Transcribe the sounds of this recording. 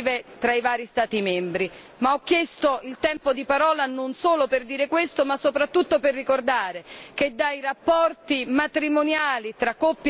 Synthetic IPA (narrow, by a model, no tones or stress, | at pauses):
vet̪ɾaivaːɾist̪aːt̪imɛmbɾi | maɔkːjɛst̪oilt̪ɛmpod̪ipaɾɔːlanonsoːloperd̪iːɾekwest̪omasːopɾat̪ːut̪ːoperːikord̪aːɾeked̪ːajrapːɔrt̪imat̪ɾimonjaːlit̪ɾakːopː